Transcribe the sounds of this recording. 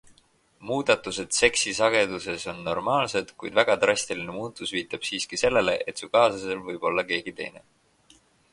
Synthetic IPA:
muːd̪̥ɑt̪ːˑuse̞d̪̥se̞ksisɑɡ̥e̞d̪̥use̞so̞nːo̞̰rmɑːlse̞d̪̥kṵjd̪væɡ̥ɑt̪rɑsʲt̪ilinemuːt̪ːˑusviːt̪ːˑɑb̥siːskise̞lːe̞le̞ʔe̞t̪sukɑːsɑse̞lvɯjb̥o̞lːɑke̞ːɡ̥it̪e̞̰jnḛ

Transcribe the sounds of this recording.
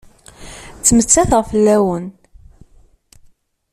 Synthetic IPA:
t͡sːmət͡sːæθʁfəlːæwən

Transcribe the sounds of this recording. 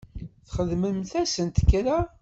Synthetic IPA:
θχəðməmθæsənt̪kːɾa

